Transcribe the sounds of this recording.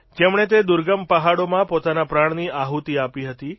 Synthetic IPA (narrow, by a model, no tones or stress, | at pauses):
d͡ʒemɳ̃et̪ed̪ʊɾɡəmpəɦaɽomãpot̪anapɾaɳ̃niʔaɦut̪iapiɦət̪i